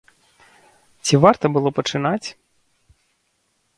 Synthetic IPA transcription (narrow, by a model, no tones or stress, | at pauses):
t͡sʲivart̪ɐbɨlˠɔpɐt͡ʂɨnat͡sʲ